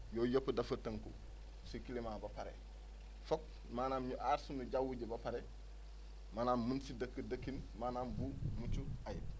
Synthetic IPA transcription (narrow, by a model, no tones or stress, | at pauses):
jojopːɐdɐfɐtːɐŋkṵ | sikilimaːbɐpaɾḛ | fok̚ | maːnaːmɲuʔaːɾsumuɟawuɟebɐpaɾe | maːnaːmmunsidɐkːidɐkːinmaːnaːmbumut͡ʃuaji